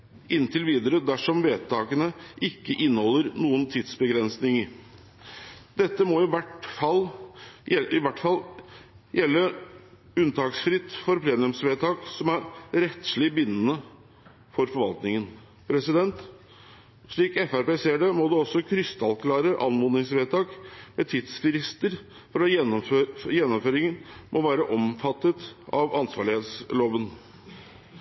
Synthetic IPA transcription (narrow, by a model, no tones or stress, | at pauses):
ɪnt̪ʰɪlʋiːd̪əɾəd̪æʂɔmʋeːt̪ɑːkənəʔɪkːəʔɪnːəhɔlːəɾnuːənt̪ʰiːd̪sbəɡɾɛnsnɪŋəɾ | d̪ɛt̪ːəmɔɪʋæʈfɑl | ɪʋæʈːfɑl | jɛlːə | ʉnt̪ʰɑːksfɾɪt̪ːfɔɾpʰleːnʉmsʋeːt̪ʰɑːksɔmæɾɾɛt̪ʂɭɪbɪnːənə | fɔɾfɔɾʋɑ̰lt̪nɪŋən | pʰɾɛsɪd̪ɛnt̪ | ʂɭiːkɛfæɾpeːseːɖemɔd̪ɛɔsːɔkʰɾʏst̪ɑlkʰlɑːɾəʔɑnmɔnɪŋsʋeːt̪ʰɑːkmɛt̪ʰɪt̪sfɪɾɪst̪əɾ | fɔɾɑɛnːɔføjɛnːɔmføːɾɪŋənmʔɔʋæːɾəʔɔmfɑt̪ːət̪ɑʋɑnsʋɑːɭɪheːt̪sloːʋən